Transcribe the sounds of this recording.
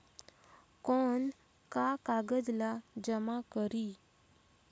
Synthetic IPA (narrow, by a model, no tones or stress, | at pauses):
kɔn | kakaɡəd͡zlad͡ʑəmakəɾi